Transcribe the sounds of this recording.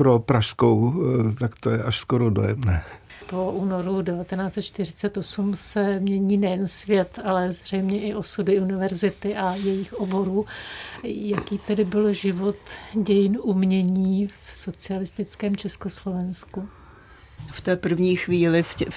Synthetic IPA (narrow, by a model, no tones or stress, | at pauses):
pɾopɾaʃskowt̪akt̪ojɛʔaʃskoɾodo̰jɛmnɛː | po̞ʔuːno̞ɾudɛvat̪ɛnaːt͡sɛt̪̚t͡ʃt̪ɪrɪt͡sɛt̪ʔo̞sumsɛmɲɛɲiːnɛjɛnsvjɛt̪alɛzr̝ɛjmɲɛʔɪʔo̞sudɪunɪvɛɾzɪt̪ɪʔajɛjɪxʔobo̞ɾuː | jakiːt̪ɛdɪbɪlʒɪvo̞t̪ɟɛjɪnʔumɲɛɲiːfso̞t͡sɪalɪst̪ɪt͡skɛːmt͡ʃɛsko̞slo̞vɛnsku | ft̪ɛːpr̩vɲiːxviːlɪɛ